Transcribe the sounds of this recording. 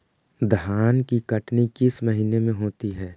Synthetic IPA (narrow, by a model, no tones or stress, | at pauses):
d̪ʱɦaːnkikɐʈnikɪsməɦinemẽɦoːt̪iɦɛː